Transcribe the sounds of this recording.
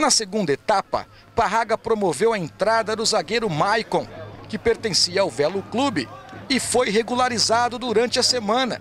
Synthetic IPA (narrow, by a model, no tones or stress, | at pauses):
nɐseɡũnd̪ɐet̪apɐ̰ | paɦaɡɐpɾomovewɐẽnt̪ɾad̪ɐd̪ʊzaɡejɾʊmajkõkɪpeɾt̪ẽsiɐawvɛlʊklubɪɪfojɦeɡulaɾizad̪ʊd̪uɾɐ̃nt͡ʃɪɐsemɐ̃nɐ̰